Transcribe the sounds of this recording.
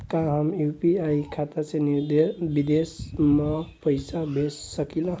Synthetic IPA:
kãɦamjupiajkʰat̪at͡sʰẽnud̪ebid̪esmapəjsabʱesːəkilã

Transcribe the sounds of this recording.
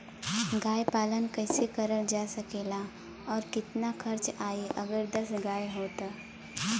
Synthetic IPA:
ɡaːjpaːlənkɛɪsekɐɾəld͡ʒaːsɐkeːla | ɔːɾkɪt̪naxʰɐɾt͡ʃaːeʔɐɡəɾd̪ɐsɡaːjɦoːt̪aː

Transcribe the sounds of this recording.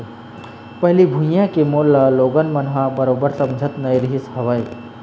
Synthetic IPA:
pɐɦlibʱũjãkemoləloːɡənmənɦãbəɾoːbəɾsɐ̃md͡ʒʱət̪nɐjɾiɦisɦɐʋəj

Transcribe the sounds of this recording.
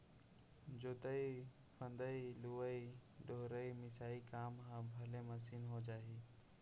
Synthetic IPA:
d͡ʒoːt̪əi | pʰə̃nd̪əiluʋəiɖoɦɾəimɪsaːikaːmɦãbʱɐleməsiːnɦod͡ʒaːɦiː

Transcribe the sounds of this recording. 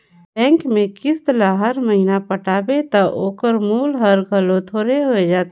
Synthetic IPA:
bɛ̃ːŋkmẽkɪst̪əlaɦəɾməɦinapɐʈaːbet̪ɐʔoːkəɾmuːlɦəɾɡʱɐlõt̪ʰoːɾeɦoed͡ʒaːt̪e

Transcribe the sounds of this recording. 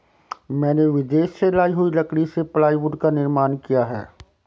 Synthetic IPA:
mɛ̃ːneʋɪd̪eːʃselaːiɦʊilɐkɽiseplaːiʋʊɖkanɪɾmaːnkijaɦɛ̰ː

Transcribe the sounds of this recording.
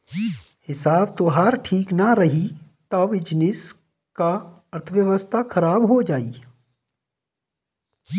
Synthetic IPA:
hɪsaːbt̪oːɦaːɾʈʰiːknaɾɐɦit̪aʋɪd͡ʒnɪs | ka | ɐɾt̪ʰəʋjəʋəst̪ʰakʰɐɾaːbɦod͡ʒaːiː

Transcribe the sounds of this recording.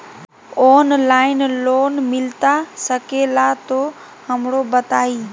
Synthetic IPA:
oːnlaːɪnloːnmɪlt̪asəkeːlat̪oː | həmɽobət̪aːiː

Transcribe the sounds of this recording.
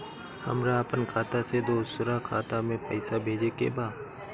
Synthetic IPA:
hə̰mɾaəpənkʰaːt̪ased̪oːsʊɾakʰaːt̪amẽpəɪsabʱeːd͡ʒekḛbaː

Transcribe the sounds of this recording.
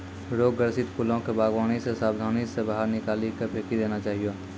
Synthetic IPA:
ɾoːɡəɾsɪt̪kulõkebaːɡʋaːñisesaːbd̪ʱaːnisebaɦəɾnɪkaːlikepʰeːkid̪eːnat͡ʃaːɦijo

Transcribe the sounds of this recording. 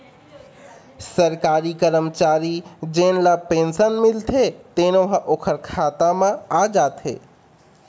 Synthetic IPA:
səɾkaːɾikəɾəmt͡ʃaːɾid͡ʒeːnlapẽːnsənmɪlt̪ʰet̪eːnoɦʔoːkʰəɾkʰaːt̪amãaːd͡ʒaːt̪ɦḛː

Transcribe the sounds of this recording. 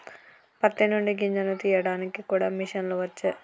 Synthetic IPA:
pɐt̪ːinuɳɖiɡiɲd͡ʒɐnut̪iːjɐɽaːnikikuːɽaːmiʂɐnloːʋɐt͡ʃːɐ

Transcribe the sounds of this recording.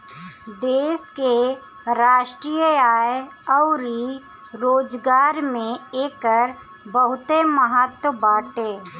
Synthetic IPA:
d̪eːske | ɾaːʃʈɾiːjəaːe | ɔʊɾi | ɾoːd͡ʒɡaːɾmẽeːkəɾ | bəɦʊt̪eməɦət̪wəbaːʈeː

